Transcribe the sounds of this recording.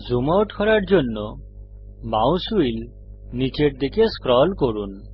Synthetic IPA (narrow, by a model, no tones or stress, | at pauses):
d͡ʒumawʈkʰɔɾaɾd͡ʒonːɔ | mawsuil | nit͡ʃeʈd̪ekeskɾɔlkɔɾun